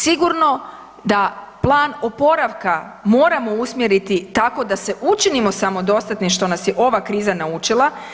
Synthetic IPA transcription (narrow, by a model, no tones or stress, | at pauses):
siɡuɾno̞ | d̪aplˠaːno̞po̞ɾaʋka | mo̞ːɾamo̞usmjeɾit̪it̪ako̞d̪ase̞ʔut͡ʃinimo̞samo̞d̪o̞st̪at̪niʃt̪o̞nasjeʔo̞ʋakɾiːzanaut͡ʃilˠa